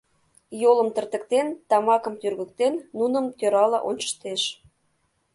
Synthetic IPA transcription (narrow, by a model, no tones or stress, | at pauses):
jolə̆mt̪ə̆rt̪ə̆k̚t̪ent̪ɑmɑkɤ̆mt̪yrɣə̆kt̪enːunə̆mt̪øɾɑlɑ̰ʔont͡ɕə̥t̪eʃ